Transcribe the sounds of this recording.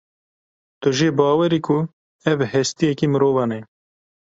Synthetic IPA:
t̪ʊʒeːbɑːwɛɾiːkʰʊ | ɛvhɛst̪ijɛkiːmɨɾoːvɑːnɛ

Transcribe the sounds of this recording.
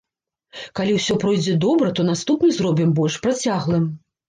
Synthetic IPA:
kalʲiwsʲɔpɾɔjd͡zʲɛd̪ɔbɾɐt̪ɔnast̪upnɨzrɔbʲimbɔlʲʂpɾat͡sʲaɣlˠɨm

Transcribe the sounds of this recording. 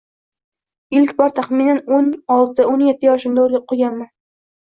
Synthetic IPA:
ɪlkʲbɒɾt̪ʰaχminanonɒlˠd̪d̪aonjet̪ʰːɪjɒʃɪmd̪aoɾɡʲaqʰoɡʲanman

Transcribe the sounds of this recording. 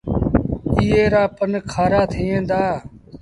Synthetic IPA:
iːeːɾaːpənkʰaːɾaːt̪ʰiːẽːnd̪aː

